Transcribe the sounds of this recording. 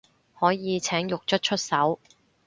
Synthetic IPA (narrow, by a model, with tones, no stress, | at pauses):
hɔː˨˥jjiː˨˧t͡sʰɛː˨˥ŋjʊ˨k̚t͡ʃʰɵ˥t̚t͡ʃʰɵ˥t̚sɐ˨˥w